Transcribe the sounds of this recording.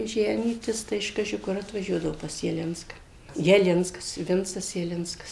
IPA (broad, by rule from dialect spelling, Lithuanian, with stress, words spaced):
ˈʒʲæːnʲiːtʲɪs tɐɪ ɪʃ ˈkɑːʒʲɪ ˈkʊr ɐtʋɐˈʒʲuɔdɐʋoː pɐs jɛˈlʲɪnskɐ jɛˈlʲɪnskɐs ˈʋʲɪnt͡sɐs jɛˈlʲɪnskɐs